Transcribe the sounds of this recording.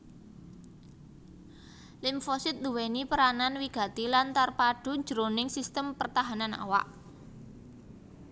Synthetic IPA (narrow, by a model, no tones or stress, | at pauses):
lɪmfɔsɪt̪̚d̪uwenipəɾananwiɡ̥ä̤t̪ilant̪arpaɖ̥ṳ̥d͡ʒ̥ɾonɪŋsist̪əmpərt̪aɦanana̰wa̰ʔ